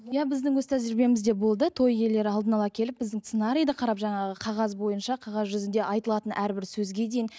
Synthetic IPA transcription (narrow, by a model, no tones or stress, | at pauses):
jɑbɪzd̪ɪŋwɵzt̪ʰæzɪɾbe̞mɪzd̪e̞bo̞lˠd̪ət̪ʰo̞je̞lːe̞ɾɪɑlˠd̪ənɑlˠɑkʲʰe̞lɪp̚bɪzd̪ɪŋt̪senɑɾijd̪əqʰɑɾɑpʒɑɴɑʁəqʰɑʁɑzbo̞jənʃɑqʰɑʁɑzʒʏzɪnd̪e̞ʔɑjt̪əlˠɑt̪ənʔæɾbɪɾsɵzɡʲe̞d̪e̞jɪn